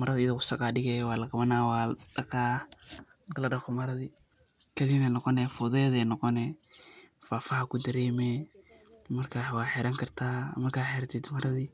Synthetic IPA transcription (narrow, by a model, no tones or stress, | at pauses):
mɐɾɐðɪɪðɐʊsɐqɑːɖɪɣɛjwɑːlɐqɑβɐnaːwɑːɖɐqaː | mɐkʰɐlɐɖɐχɔmɐɾɐði | kʰɐðɪnɛːnɔqɔnɛfʊðɛðɛːnɔqɔnɛ | faːfɐɦɐkʰʊd̪ɐɾɛːmɛː | mɐrkʰaːwɑːħɛɾɐŋkʰɐrt̪ʰa̰ːmɐkʰaːħɛɾɐt̪ʰɛt̪mɐɾɐði